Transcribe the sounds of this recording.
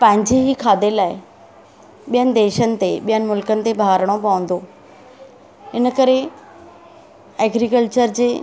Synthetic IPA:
pɐ̃ɦɪ̃ɲd͡ʑeɦiːkʰaːd̪elaːɪ | ɓijənɪ̆d̪eːʃənɪ̆t̪eɓijənɪ̆mʊlkənɪ̆t̪ebʱaːɾəɽ̃opɐʋə̃nd̪oː | ɦɪnəkɐɾe | ɛːɡɾikəlt͡ɕəɾd͡ʑeː

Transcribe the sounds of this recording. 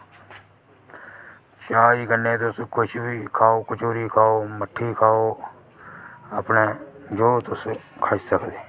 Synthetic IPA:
t͡ʃaːiːkənːẽːt̪̬ʊskʰʊʃbiːkʰaːoːkʊt͡ʃoːɾiːkʰaːoːməʈʰːiːkʰaːoː | əpneːd͡ʒoːt̪ʊskʰaːisəkʰd̪eː

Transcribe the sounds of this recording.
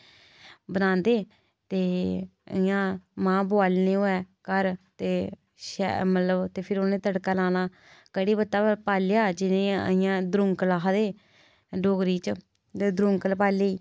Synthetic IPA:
bənãːnd̪eː | t̪eːə̰ɪjãːmãːbʊaːlneːoːɛː | kəɾt̪eː | ʃɛ̰mət̪ləbt̪eːpʰɪɾonẽːt̪əɽkaːlaːnaː | kəɽiːbət̪ːaːpaːleaːd͡ʒɪnẽə̰ɪjãːd̪ɾʊŋklaːɦd̪eː | ɖoːɡɾiːt͡ʃ̪ | eːd̪ɾʊ̃ŋkəlpaːleiː

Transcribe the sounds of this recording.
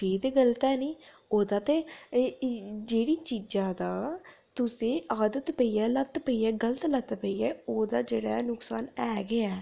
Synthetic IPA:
ʈʰiːkt̪eːɡəlt̪ɛːniː | oːd̪aːt̪eː | d͡ʒeːɽiːt͡ʃid͡ʒãːd̪aː | t̪ʊsẽːaːd̪ət̪pəiːɛːlət̪pəiːɛːɡələt̪lət̪pəiːɛːoːd̪aːd͡ʒeːɽaːnʊksaːnɛːɡɪɛː

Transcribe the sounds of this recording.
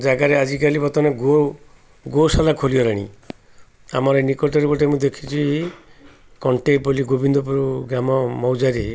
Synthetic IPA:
d͡ʒaɡaɾead͡ʒikalibɔt̪ɔneɡo | ɡosalakʰoliɔɾaɽ̃ḭ | a̰mɔɾenikɔʈɔɾibɔʈemũd̪ekʰi̥t͡ʃʰi | kɔɳʈeboliɡobind̪ɔpuɾuɡɾamɔmɔwd͡ʒaɾi

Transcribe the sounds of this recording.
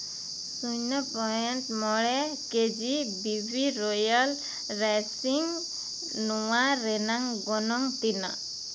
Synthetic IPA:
suɲnɔpɔɛntmɔɭɛked͡ʒibibʱiɾɔjal | ɾasiŋ | nɔwaɾɛnaŋɡɔnɔŋt̪ina

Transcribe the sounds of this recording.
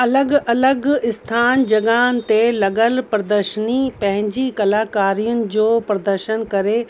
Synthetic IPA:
ɐləɡɐləɡɪst̪ʰaːnd͡ʒɐɡaːnt̪elɐɡəlpɾəd̪əɾʃənipɐ̃ɦɪ̃ɲd͡ʑikɐlaːkaːɾijʊnɪ̆d͡ʑoːpɾəd̪əɾʃənkɐɾeː

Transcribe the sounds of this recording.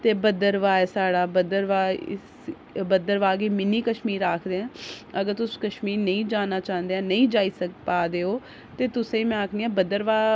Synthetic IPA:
t̪eːbəd̪əɾʋaːɛːsaːɽaːbəd̪əɾʋaː | bəd̪əɾʋaːɡeːmɪniːkəʃmiːɾːaːkʰd̪eːɛ̃ːəɡəɾt̪ʊskəʃmiːɾnəĩːd͡ʒaːnaːt͡ʃãːnd̪eːɛ̃ːnəĩːd͡ʒaːiːsəkpaːd̪eːɦoː | t̪eːt̪ʊsẽːimɛ̃ːakʰniːɛ̃ːbəd̪əɾʋaː

